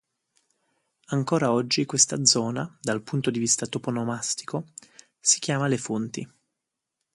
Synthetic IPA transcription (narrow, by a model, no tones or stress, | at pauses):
aŋkoːɾaɔd͡ʒːikwest̪ad̪zɔːnad̪alpunt̪od̪ivist̪at̪oponomast̪i̥ko | si̥k̟jaːmalefont̪i